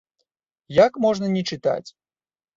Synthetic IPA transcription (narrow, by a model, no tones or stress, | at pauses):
jakmɔʐnɐnʲɛt͡ʂɨt̪a̰t͡sʲ